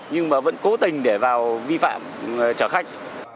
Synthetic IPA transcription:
ɲɨ˧ŋmaː˨˩və̰˧˥nko˨˦t̪ï˨˩ŋ̟ɗe˧˩vaː˨˩wvi˧fa̰ː˧˨mt͡ɕəː˧˩xa˦˥jk̟̚

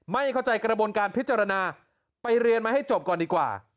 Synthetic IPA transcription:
ma˥˩jkʰa˥˩wt͡ɕa˧jkɾa˧buː˧nkaː˧npʰi˦˥t̪̚t͡ɕaː˧ɾa˧naː˧ | pa˧jɾi˧ənmaː˧ɦa˥˩jt͡ɕo˨˩p̚kɔː˨˩ndiː˨˧kwa̰ː˨˩

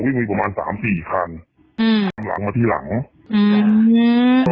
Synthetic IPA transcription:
wi˥˩mɯː˧pa˧maː˧nsa̰ː˩˦msiː˨˩kʰa˧n | ʔɯː˧˩t̪ʰa˧mla̰˩˦ŋmaː˧t̪ʰiː˥˩la̰˩˦ŋ | ʔɯː˧

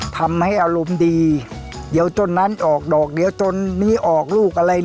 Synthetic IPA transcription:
t̪ʰa˧mha˥˩jʔa˧ɾo˧mdiː˧ | di˨˦əwt͡ɕ̪o˧nːa˦˥nʔɔː˨˩k̚dɔː˨˩k̚di˨˦əwt͡ɕ̪o˧nːiː˦˥˩ʔɔː˨˩k̚luː˥˩k̚ʔa˧ɾa˧j

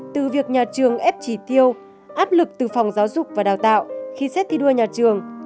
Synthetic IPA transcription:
t̪ɨ˨˩vi˨˩ək̚ɲaː˨˩t͡ɕɨ˨˩əŋʔɛ˦˥p̚t͡ɕi˧˩t̪i˧əw | ʔaː˦˥p̚lɨ˨˩k̚t̪ɨ˨˩fɔ˨˩wŋ͡mzaː˨˦wzʊ˨˩k͡p̚vaː˨˩ɗaː˨˩wt̪a̰ː˧˨wxi˧sɛ˦˥t̪ʰi˧ɗɨ˧əɲaː˨˩t͡ɕɨ˨˩əŋ

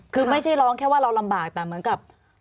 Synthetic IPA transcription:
kʰɯː˧ma˥˩jt͡ɕʰa˥˩jɾɔː˦˥ŋkʰɛː˥˩waː˥˩ɾa˧wla˧mbaː˨˩k̚t̪ɛː˨˩mɯ˩˦ənka˨˩p̚

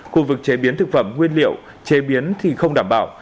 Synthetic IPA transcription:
xu˧vɨ˨˩k̚t͡ɕe˨˦ɓi˨˦ənt̪ʰɨ˨˩k̚fə̰˧˩mŋwi˧ənlḭ˧˨əw | t͡ɕe˨˦ɓi˨˦ənt̪ʰi˨˩xə˧wŋ͡mɗaː˧˩mɓa̰ː˧˩w

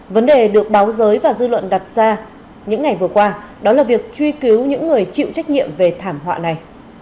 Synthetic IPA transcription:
və˨˦nɗe˨˩ɗɨ˨˩ək̚ɓaː˨˦wzəː˨˦jvaː˨˩zɨ˧lwə̰˧˨nɗa˨˩t̚zaː˧ | ɲɨ̰˧˥ŋːa˨˩jvɨ˨˩əkwaː˧ | ɗɔ˨˦laː˨˩vi˨˩ək̚t͡ɕwi˧ki˨˦wɲɨ̰˧˥ŋːɨ˨˩əjt͡ɕḭ˧˨wt͡ɕa˦˥k̟̚ɲḭ˧˨əmve˨˩t̪ʰaː˧˩mɦwa̰ː˧˨na˨˩j

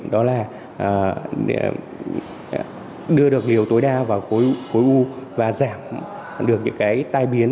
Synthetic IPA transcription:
ɗɔ˨˦laː˨˩˨ | ɗɨ˧əɗɨ˨˩ək̚li˨˩əwt̪o˨˦jɗaː˧vaː˨˩wxo˨˦jxo˨˦jʔu˧vaː˨˩zaː˧˩m | ɗɨ˨˩ək̚ɲɨ̰˧˥ŋkaː˨˦jt̪aː˧jɓi˨˦ən

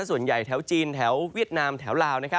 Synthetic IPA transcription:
a˥su˨˩ənja˨˩jt̪ʰɛː˩˦˥wt͡ɕiː˧nt̪ʰɛː˩˦wwi˦˥˩ət̪̚naː˧mt̪ʰɛː˩˦wlaː˧wna˦˥jkʰa˦

